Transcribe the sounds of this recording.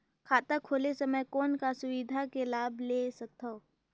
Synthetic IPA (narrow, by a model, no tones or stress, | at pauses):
kʰaːt̪akʰoːlesɐməjkɔːnkasʊwɪd̪ʱakelaːbʱlesɐk̚t̪ʰːo